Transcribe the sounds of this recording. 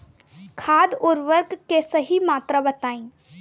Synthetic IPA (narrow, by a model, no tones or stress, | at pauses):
kʰaːd̪ʊɾʋəɾkkːesɐɦimaːt̪ɾabɐt̪aːĩː